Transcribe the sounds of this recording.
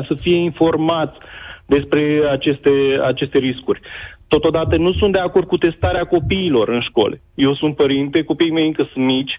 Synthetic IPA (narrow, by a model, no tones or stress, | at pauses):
səfije̞info̞rmat̪sʲd̪e̞spɾe̞at͡ʃe̞st̪ea̰t͡ʃe̞st̪e̞ɾiskurʲt̪o̞t̪od̪at̪ənusunt̪d̪eako̞rd̪̚kut̪e̞st̪aɾeako̞piːlo̞rɨnʃko̞̰lḛ | je̞wsunt̪̚pəɾint̪e̞ko̞pijme̞jɨŋkəsunmit͡ʃʲ